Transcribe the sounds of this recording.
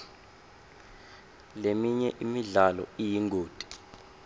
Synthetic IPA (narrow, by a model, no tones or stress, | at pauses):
lemiɲɛʔimiɮalɔ̰ijiŋɡʱoːd̥ʱʼi̥